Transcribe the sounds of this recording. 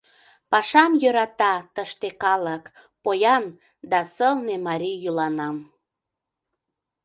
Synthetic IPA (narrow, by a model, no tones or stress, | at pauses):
pɑʃɑmjøɾɑt̪ɑt̪əʃt̪ekɑlək | pojɑn | d̪ɑsəlnemɑɾijylɑnɑm